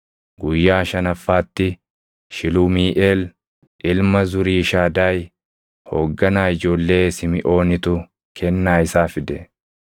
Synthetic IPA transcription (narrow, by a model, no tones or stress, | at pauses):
ɡʊjːaːʃɐnɐfːaːt̪ːɪ | ʃɪlʊːmiːʔeːl | ʔɪlmɐzʊɾiːʃaːd̪aːj | hoːɡːɐnaːɪd͡ʒo̞ːlːe̞ːsɪmɪʔo̞ːnɪt̪ʊ | kʰɛnːaːɪsaːfɪd̪ɛ